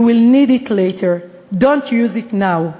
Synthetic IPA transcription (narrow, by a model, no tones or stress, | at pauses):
wilniditʰletʰə˞ | dõntʰjuzitnaʊ